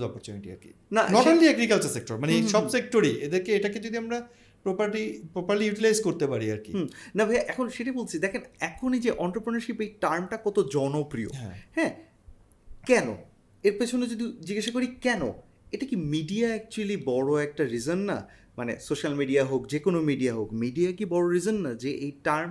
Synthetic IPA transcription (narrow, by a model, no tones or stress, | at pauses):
ɔpoɾt͡ɕuniʈḭa̰ɾkḭ | nanɔʈanliɛɡɾikalt͡ɕaɾsek̚ʈoɾmaneʃɔbsek̚ʈoɾied̪eɾkeeʈaked͡ʑod̪iamɾa | pɾopaɾʈipɾopaɾlijuʈilajzkoɾt̪epaɾiaɾkḭmnabʱeʔɛkʰonʃeʈabolt͡ɕʰid̪ɛkʰenɛkʰonid͡ʑeʔɔnʈɾopɾenaɾʃipejʈaɾmʈakɔt̪od͡ʑɔnopɾio̰ɦɛ̰̃hɛ̃ | kɛno̰ | eɾpet͡ɕʰoned͡ʑod̪id͡ʑiɡeʃakoɾikɛno̰ | eʈakimiɖiaɛk̚t͡ɕualibɔɽoɛk̚ʈaɾizonːa̰ | manḛsoʃalmiɖiaɦokd͡ʑekonomiɖiaɦokmiɖiakibɔɽoɾizonːad͡ʑeʔejʈaɾm